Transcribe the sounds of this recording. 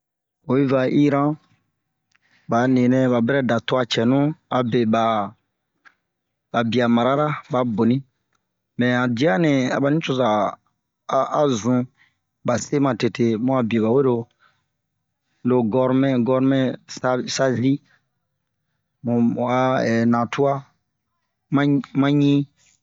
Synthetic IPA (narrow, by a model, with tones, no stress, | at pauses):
o˨˦i˦va˧ʔi˦ɾã˦ | ba˨nĩ˨nɛ̃˦ba˨bɛ˦ɾɛ˦da˨to˦a˨t͡ʃɛ˨nũ˦a˨be˨ba˨ | ba˨bi˨a˨ma˨ɾa˦ɾa˦ba˨˦bo˨nĩ˦ | mɛ̃˨a˨di˨˦a˦nɛ̃˨a̰˨ba˨nĩ˦t͡ʃo˧za˨˦ | a˦zũ˨ | ba˨se˦mã˨te˨tʰe˨mũ˦a˨bi˨o˨ba˨we˦ɾo˦ | lo˨ɡɔ˦ɾmɛ̃˦ɡɔ˦ɾmɛ˦sa˦sa˦zi˦ | mũ˨a˨ɛ˨nã˨tʰu˦a˦ | mã˦mã˦ɲĩ˦